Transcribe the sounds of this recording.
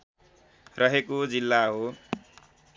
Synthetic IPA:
rʔʌɦekod͡zilːaɦo

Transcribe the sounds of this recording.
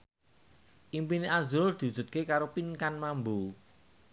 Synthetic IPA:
ʔimpiniʔazuɾʊrd̪̥i̤ud̥ʒ̥ṳt̪̚kekaɾopinkanmambu

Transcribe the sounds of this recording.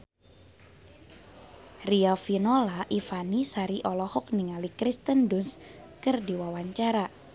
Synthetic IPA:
riafinolaʔifanisaɾiʔɔlɔhɔk̚niŋalikɾist̪əndʊnskərdiwawaɲt͡ʃaɾa

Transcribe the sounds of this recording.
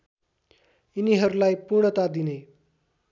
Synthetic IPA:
iniɦəɾlajpuɾɳət̪ad̪ine

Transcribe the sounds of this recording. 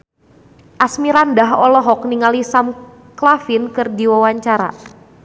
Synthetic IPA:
ʔasmiɾandaɦɔlɔɦɔk̚niŋalisam | klafɪnkɨrdiwawaɲt͡ʃaɾa̰

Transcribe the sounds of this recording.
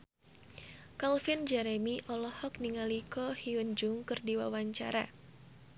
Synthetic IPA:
kalfɪnd͡ʒɛɾemiʔɔlɔhɔkniŋalikɔhiund͡ʒʊŋkɨrdiwa̰waɲt͡ʃa̰ɾa̰

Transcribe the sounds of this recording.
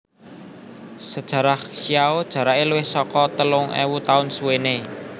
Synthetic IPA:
səd̥ʒ̥ä̤ɾahʃiaod̥ʒ̥a̤ɾaʔeluwɪhsɔkɔt̪əlʊŋʔḛwut̪aʊnsuwene

